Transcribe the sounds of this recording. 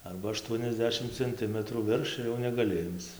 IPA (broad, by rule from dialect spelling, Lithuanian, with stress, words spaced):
ˈɐrbɐ ɐˈʃtuɔnʲɛzʲˌdʲæːʃʲɪm t͡sʲɛnʲˈtʲɪmətruː ˈʋʲɪrʃ ɪr jɛʊ nʲɛɡɐˈlʲɪ ˈɪmt͡s